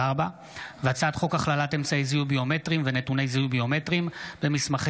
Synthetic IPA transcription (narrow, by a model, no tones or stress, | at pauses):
aʁba | vat͡saːt̪χo̞kaχlalate̞mt͡saezijubio̞me̞tʁimve̞netune̞jzijubio̞me̞tʁimb̥e̞mismaχ